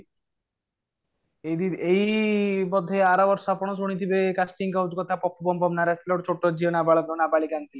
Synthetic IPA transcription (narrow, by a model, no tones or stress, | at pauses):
ed̪iɾejbɔd̪ʱːeaɾabɔɾʃapɔñoʃ̬oɽ̃it̪ʰibekaʃʈiŋkawd͡ʑkɔt̪ʰapɔpʰːobɔmpɔmnaɾɛst̪loɾt͡ɕʰoʈːod͡ʑionabaɭoonabaɭikant̪ʰi